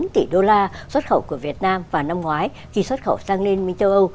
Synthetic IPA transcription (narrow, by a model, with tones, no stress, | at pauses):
nt̪ḭ˧˩ɗo˧laː˧swə˦˥t̚xə˧˩wku˧˩əvi˨˩ət̚naː˧mvaː˨˩na˧mŋwaː˨˦j | xi˧swə˦˥t̚xə̰˧˩wsaː˧ŋli˧ənmi˧ŋt͡ɕə˧wʔə˧w